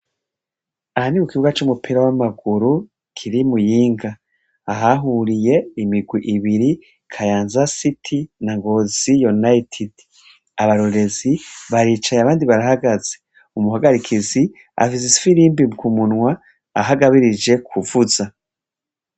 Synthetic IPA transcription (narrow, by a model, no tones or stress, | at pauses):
ahanimukiβuɡat͡ʃumupʰiɾawamaɡuɾu | kʰiɾimujiːŋɡaː | ɦaɦuɾije̞imiɡwiʔiβiɾi | kʰajaːnzasitʰinaŋɡo̞z̥ijunaitʰid | aβaɾoɾe̞ziβaɾit͡ʃajaβaːndiβaɾahaɡaz̥e | umuɦaɡaɾikʰizi | a̰fizisfiɾiːmbimkumunwaː | ɦaɡaβiɾid͡ʒe̞kʰuvuza